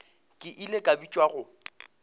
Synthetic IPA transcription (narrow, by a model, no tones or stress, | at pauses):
kʼɪʔilekʼabit͡ʃʼwaɣʊ